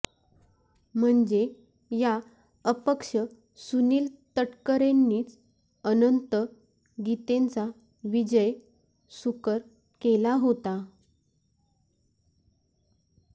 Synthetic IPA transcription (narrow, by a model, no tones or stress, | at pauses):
m̤əɳd͡ze | ja | əpəkʂə | suniːlt̪əʈkəɾenːiːt͡s | ənənt̪ə | ɡit̪ent͡sa | ʋid͡ʑəj | sukəɾ | kelaɦot̪a